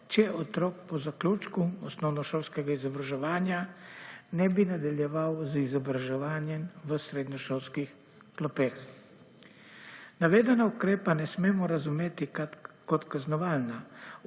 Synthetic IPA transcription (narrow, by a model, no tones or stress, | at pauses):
t͡ʃɛɔt̪ɾɔːk̚pɔzakluːt͡ʃkuɔsnɔwnɔʃolskɛɡaizɔbɾaʒɛʋaːnja | nɛbinad̪aljɛʋawzizɔbɾaʒɛʋaːnjɛmʋəsɾed̪ɲɔʃolskix | klɔpex | naʋeːd̪ɛnaukɾeːpanɛsmeːmɔɾazumeːt̪ikɔt̪kaznɔʋaːlna